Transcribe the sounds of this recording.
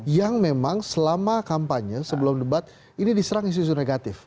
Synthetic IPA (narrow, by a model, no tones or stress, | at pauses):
jaŋmemaŋsəlamakampaɲəsəbəlumləbat̪̚ | inidisəɾaŋins̬tit̪ut̪uneɡat̪ɪf